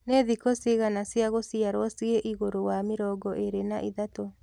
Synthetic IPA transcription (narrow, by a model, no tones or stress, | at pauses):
neðikosiɣanasjaɣosiaɾwɔsieʔiɣoɾowamɪɾɔɡɔʔeɾenaʔiðato